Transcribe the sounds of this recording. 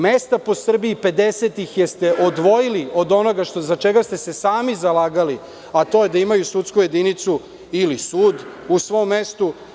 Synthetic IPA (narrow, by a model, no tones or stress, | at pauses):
mest̪apo̞sr̩biipe̞d̪ese̞t̪ixjest̪eʔod̪ʋo̞jilio̞d̪o̞no̞ɡaʃt̪ozat͡ʃeɡast̪e̞se̞saːmizalaːɡali | at̪o̞jed̪aimajusut̪skuje̞d̪init̪su | ilisuːd̪ | usʋo̞mːe̞st̪u